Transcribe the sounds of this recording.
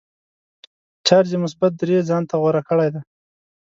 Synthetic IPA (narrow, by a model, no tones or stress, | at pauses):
t͡ʃaɾzemʊsbat̪̚d̪ɾezɑnt̪aɣwaɾakəɽajd̪aj